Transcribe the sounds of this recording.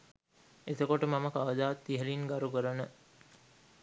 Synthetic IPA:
et̪əkoʈəmaməkaʋəd̪aːt̪ːiɦəlinɡaɾukəɾənə

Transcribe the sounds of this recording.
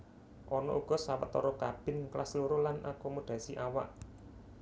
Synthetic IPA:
ʔɔnɔʔuɡ̥ɔ̤sawə̰t̪ɔɾɔkab̥ɪ̤nklasluɾolanʔakomod̥ä̤siʔawa̰ʔ

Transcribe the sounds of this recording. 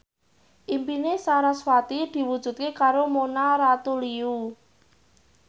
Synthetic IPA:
ʔimpinesaɾaswat̪id̪̥i̤wud̥ʒ̥ṳt̪̚kekaɾomonaɾat̪uliu

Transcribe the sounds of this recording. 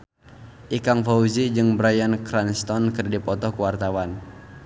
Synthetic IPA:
ʔikaŋfauzid͡ʒɨŋbɾajankɾanst̪ɔnkərdipɔt̪ɔkuwart̪awan

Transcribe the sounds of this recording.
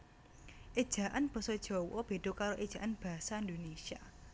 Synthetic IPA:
ʔed̥ʒ̥a̤ʔanb̥ə̤sɔd̥ʒ̥ɔ̤wɔb̥e̤d̪̥okaɾoʔed̥ʒ̥a̤ʔanb̥a̤saind̪onesia

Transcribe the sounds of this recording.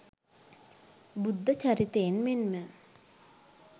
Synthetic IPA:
bud̪ʱːət͡ʃɐɾit̪eːnmenmə

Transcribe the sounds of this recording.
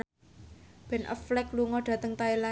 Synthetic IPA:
b̥ɛnʔə̰flɛkluŋɔɖ̥ä̤t̪əŋt̪aela

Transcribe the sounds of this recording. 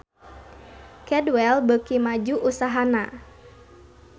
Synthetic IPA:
kɛdwɛlbəkimad͡ʒuʔusaɦana

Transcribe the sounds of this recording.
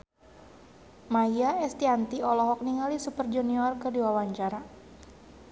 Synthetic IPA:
majaɛst̪iant̪iɔlɔɦɔk̚niŋalisupərd͡ʒuniɔrkədiwawaɲt͡ʃaɾa

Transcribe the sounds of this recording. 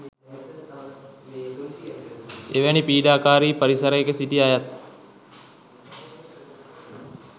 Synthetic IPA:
eʋænipiːɖaːkaːɾiːpɐɾisɐɾəekəsiʈiajat̪̚

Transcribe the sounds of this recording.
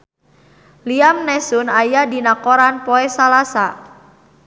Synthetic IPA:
liamnɛsʊnajadinakoɾanpɔɛsalasa

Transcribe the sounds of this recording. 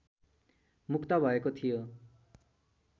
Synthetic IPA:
mukʰt̪abʱʌjekot̪ʰijo

